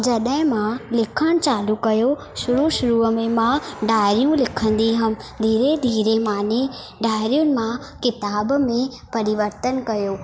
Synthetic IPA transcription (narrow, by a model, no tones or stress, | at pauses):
d͡ʑɐɗəɦɪ̃mãlɪkʰəɽ̃t͡ɕaːlukɐjo | ʃʊɾuʃʊɾuəmẽmãɖaːɪɾijũlɪkʰə̃n̆d̪iɦɐmd̪ʱiːɾed̪ʱiːɾemaːne | ɖaːɪɾijʊnɪ̆mã | kɪt̪aːbmẽ | pɐɾɪʋəɾt̪ənkɐjoː